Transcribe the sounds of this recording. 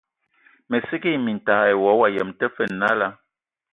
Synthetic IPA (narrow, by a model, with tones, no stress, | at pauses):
mɛ˨si˦ki˦˨mi˨n̩˨taː˨˦ɛ˨wɔ˨˦wa˨jə˨mtɛ˦fə˦˨nː˨a˦la˦